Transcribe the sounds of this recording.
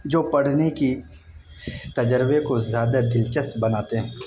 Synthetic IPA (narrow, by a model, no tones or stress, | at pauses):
d͡ʒoːpɐɽ̤neki | t̪ɐd͡ʒəɾbekozjaːd̪ad̪ɪlt͡ʃəsbɐnaːt̪eɦɛ̃ː